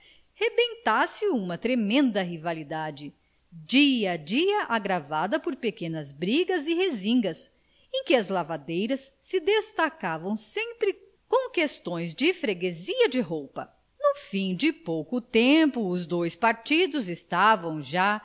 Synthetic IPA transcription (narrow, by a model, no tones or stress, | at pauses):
hebẽnt̪asɪũmɐt̪ɾemẽnd̪ɐɦivalid̪ad͡ʒɪ | d͡ʒiɐd͡ʒiɐʔaɡɾavad̪ɐpoɾpekẽnɐzbɾiɡɐzɪhezĩŋɡɐs | ẽj̃kɪɐzlavad̪ejɾɐsːɪd̪est̪akavɐ̃w̃sẽmpɾɪ | kõw̃kest̪õj̃zd͡ʒɪfɾeɡeziɐd͡ʒɪɦowpɐ̰ | nʊfĩd͡ʒɪpowkʊt̪ẽmpʊːzd̪ojspaɾt͡ʃid̪ʊzɪst̪avɐ̃w̃ʒa